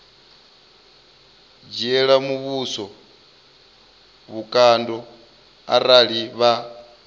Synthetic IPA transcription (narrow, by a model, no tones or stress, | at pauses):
d͡ʒiɛɺamuβusɔ | βukʼandɔ | a̰ɾaɺiβa